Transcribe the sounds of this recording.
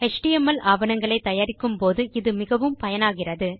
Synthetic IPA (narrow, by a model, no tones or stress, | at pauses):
hɛʂʈɪjɛmɐlaːʋɐnɐŋɡɐɭɐɪt̪ːɐjaːɾɪkːɯmpoːðɯʔɪðɯmɪɣɐʋɯmpɐjɐnaːɣɪrɐðɯ